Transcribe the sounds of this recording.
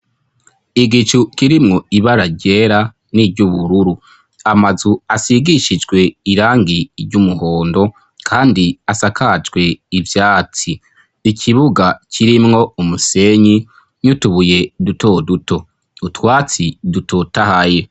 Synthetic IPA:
iɡit͡ʃukiɾimŋuiβaɾaɟe̞ɾa | niɾɟuβuɾuɾu | amazuasiɡiʃid͡ʒɡwe̞iɾaːŋɡiɾɟumuho̞ːndo̞ | kʰaːndiasakad͡ʒɡwe̞ivjaːt͡si | ikʰiβuɡacʰiɾimŋo̞umuse̞ɲi | ɲutuβuje̞duto̞duto̞ | utwaːt͡sidutʰo̞tahaje̞

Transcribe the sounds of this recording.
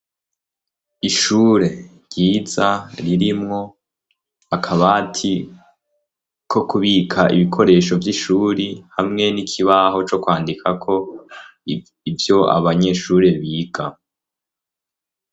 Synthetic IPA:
iʃuːɾe̞ɾɟiːzaɾiɾimŋo̞ | akʰaβatʰi | kʰo̞kuβikʰaʔḭβikʰo̞ɾe̞ːʃo̞vjiʃuːɾihamŋe̞nikʰiβaɦo̞t͡ʃo̞kwaːndikʰakʰo̞ | ivjo̞a̰βaɲe̞ʃuːɾe̞βiːɡa

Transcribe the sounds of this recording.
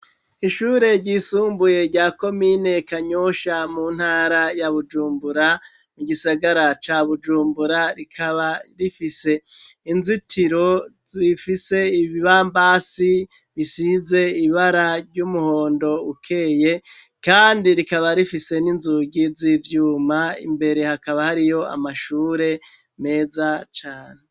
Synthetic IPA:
iʃuːɾe̞ɾɟiːsuːmbuje̞ɾɟaːko̞mine̞kaɲoʃamuːn̥haːɾajaβud͡ʒuːmbuɾa | muɡisaɡaɾat͡ʃaːβud͡ʒuːmbuɾaɾikʰaβaɾifise̞ | inzitʰiɾo̞zifise̞iβiβaːmbasi | βisize̞iβaɾaɾɟuːmuho̞ːndo̞ukʰe̞ːje̞ | kaːndiɾikaβaɾifise̞ninzuɡizivjuːmaḭmbe̞ɾe̞hakaβahaɾijo̞a̰maʃuːɾe̞ | me̞ːzat͡ʃaːne

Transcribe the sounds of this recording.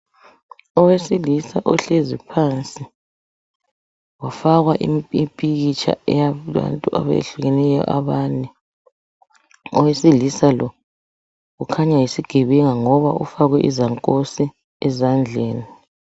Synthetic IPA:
ɔwesilisaʔɔɬezipʰant͡sʼi | wafaɣwaʔimipʼiɣit͡ʃʰa̰ɛjaa̰ntʼuʔa̰βḛɬuɣenɛjɔ̰ʔaβanɛ | ɔwesilisalɔ | ɣukʰaɲajisiɡ̥ʱeβɛŋaŋɔβa̰ufaɣwɛʔizaŋkʼosi | ɛzand͡ɮʱeːni

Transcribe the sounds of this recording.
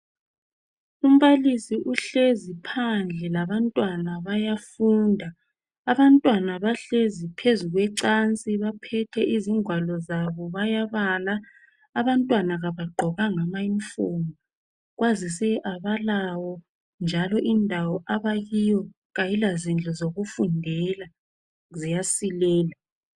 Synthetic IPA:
um̩βalisiʔuɬezipʰand͡ɮʱɛlaβantʼwanaβajafuːndʱaː | βantʼwanaβaɬezipʰezuɣwɛǀant͡sʼiβapʰɛtʰɛʔiziŋʱwalɔzaβɔβajaβaːlaː | βantʼwanaɣaβaɡ͡ǃʱɔɣaŋamaiɱfuːmɔ | ɣwʔazis̬ɛʔaβalawɔ | nd͡ʒʱalɔʔindʱawɔʔaβajijɔ | ɣajilazind͡ɮʱɔzoɣufundʱɛla | zijasilɛːla

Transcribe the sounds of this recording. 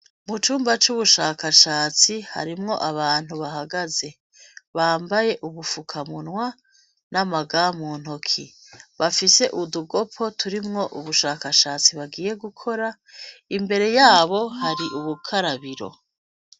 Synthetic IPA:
mut͡ʃuːmbat͡ʃuβuʃaːkaʃaːt͡siha̰ɾimŋo̞̰ʔaβaːn̥huβaɦaɡaze̞ | βaːmbaje̞ʔuβufukʰamunŋwa | namaɡaːmuːn̥hokʰi | βafise̞ʔuduɡo̞pʰo̞tuɾimŋo̞ʔuβuʃaːkaʃaːt͡siβaɡiːje̞ɡukʰo̞ɾa | imbe̞ɾe̞jaːβo̞haɾiʔuβukʰaɾaβiɾo̞̰

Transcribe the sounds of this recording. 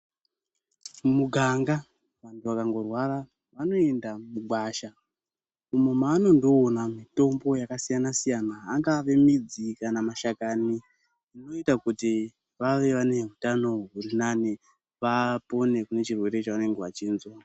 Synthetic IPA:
muɡʱaŋɡa | ʋantuʋakaŋɡo̞rwaɾa | ʋano̞e̞ndamuɡʱwaʃa | umomaːno̞ndo̞ːnamito̞mbo̞jakasijanasijanaːŋɡaʋe̞mid͡zikanamaʃakaniː | no̞itakuti | ʋaʋe̞ʋane̞ɦutano̞ɦurinane | ʋapo̞ne̞kune̞t͡ʃirwe̞ɾe̞t͡ʃaʋane̞ŋɡeʋat͡ʃiːnzwa

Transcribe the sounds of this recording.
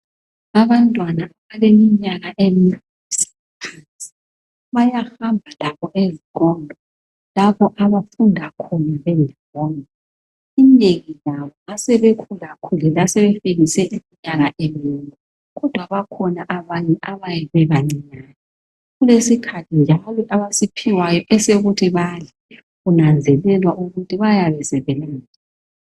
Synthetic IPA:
aβantʼwanaːβalemiɲaɣaʔemi | isi̥ | pʰansʼi̥ | βajaxambʱalaβɔʔeziɣʼɔndʱɔ | laβɔʔaβafundʱakʰɔnaβɛndʱawɔːnɔ | inneɣijaβɔŋasɛβekʰulakʰulɛlasɛβefiɣisɛʔimiɲaɣaʔɛmintʼu | ɣɔd̥ʱwaβakʰɔnaʔaβaɲɛʔaβajɛβɛβaŋ͡ǀiɲaːnɛ | ɣulesikʰatʰind͡ʒʱalɔʔaβasipʰiwajɔʔɛseɣutʰiβalɛ | ɣunand͡zʱɛlɛlwaʔuɣutʰiβajaβɛzɛβɛlaːza

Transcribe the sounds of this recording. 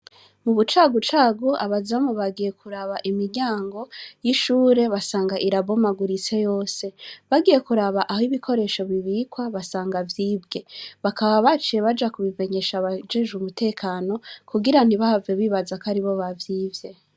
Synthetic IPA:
muβut͡ʃaːɡut͡ʃaːɡuʔaβazamuβaɡije̞kʰuɾaβaʔimiɟaːŋɡo̞jiʃuːɾe̞βasaːŋɡaʔiɾabomaɡuɾit͡se̞jo̞ːse̞βaɡije̞kuɾaβaʔaɦiβikʰo̞ɾe̞ʃo̞βiβiːkwaβasaːŋɡavjiːbɡe̞βakaβaβat͡ʃije̞βad͡ʒakuβive̞ɲe̞ʃaβad͡ʒe̞ʒumutʰe̞ːkʰano̞kʰuɡiɾan̥iβahaveβiːβazakaɾiβo̞βavjiːvje̞

